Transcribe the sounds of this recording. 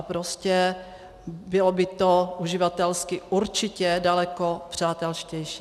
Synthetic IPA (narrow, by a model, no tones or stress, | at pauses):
pɾoscɛ | bɪlobɪt̪oʔuʒɪvat̪ɛlskɪʔuɾt͡ʃɪcɛdalɛkopr̝̥aːt̪ɛlʃcɛjʃiː